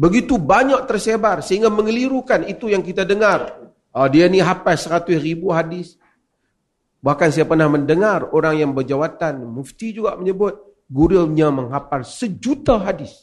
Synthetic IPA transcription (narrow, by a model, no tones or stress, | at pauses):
bəɡit̪ubaɲak̚t̪ərsebarsəɦiŋɡaməŋəliɾukanit̪ujaŋkit̪adəŋar | ədianiɦapasəɾat̪ʊsribuɦadɪs | bahkansajapərnahməndəŋaroɾaŋjaŋbərd͡ʒawat̪anmuft̪id͡ʒuɡaʔməɲəbʊt̪̚ | ɡuɾaɲaməŋɦapalsəd͡ʒut̪aɦadɪs